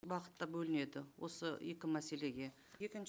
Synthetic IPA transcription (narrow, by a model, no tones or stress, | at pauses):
bɑqə̥t̪ːɑbɵlɪne̞d̪ɪwo̞̰səje̞kʲɪmæse̞le̞ɡʲe̞ | jekʲɪn